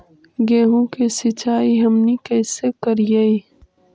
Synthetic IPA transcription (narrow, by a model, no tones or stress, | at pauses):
ɡeːɦõkesɪt͡ʃaːiɦɐmnikɛːsekɐɾjai